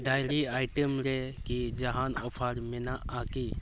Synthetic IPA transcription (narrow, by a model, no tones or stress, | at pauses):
ɖaːjɾiaːɪʈəmɾekid͡ʒɐɦaːnɔ̰ːpʰəɾmenaʔaːki